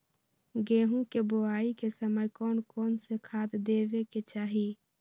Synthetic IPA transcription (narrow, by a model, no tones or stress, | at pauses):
ɡeːɦũkeboaːikesəməjkɔːnkɔːnsekʰaːd̪d̪eːʋeket͡ʃaːɦi